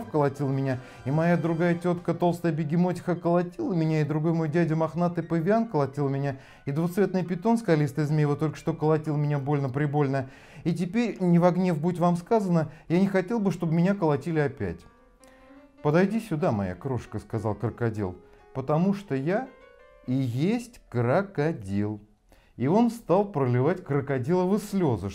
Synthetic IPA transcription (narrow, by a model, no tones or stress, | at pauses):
fkəlˠɐtʲilˠmʲɪnʲa | imɐjad̪ɾʊɡajətʲo̞t̪kət̪o̞lˠst̪əjəbʲɪɡʲɪmotʲɪ̥xəkəlˠɐtʲilˠəmʲɪnʲaɪd̪ɾʊɡo̞jmo̞jdʲædʲʊmɐxnat̪ɨpəvʲɪankəlˠɐtʲilˠmʲɪnʲa | id̪vʊt̪svʲe̞t̪nɨjpʲɪt̪o̞nskɐlʲist̪ɨɪzmʲejvˠət̪o̞lʲkə̥ʂt̪o̞kəlˠɐtʲilˠmʲɪnʲabo̞lʲnəpɾʲɪbo̞lʲnə | it̬ʲɪpʲeɾʲnʲɪvɐɡnʲe̞fbut̪̬ʲvamskazənəjanʲɪxɐtʲe̞lˠbɨʂt̪o̞bɨmʲɪnʲakəlˠɐtʲilʲɪɐpʲæ̰tʲ | pəd̪ɐjdʲisʲʊd̪amɐja̰kɾo̞ʂkəskɐzɑlˠkɾəkɐdʲḭlˠpət̪ɐmuʂt̪oja | ijesʲtʲkɾəkɐdʲilˠ | io̞nst̪alˠpɾəlʲɪvatʲkɾəkɐdʲilˠəvɨslʲozɨ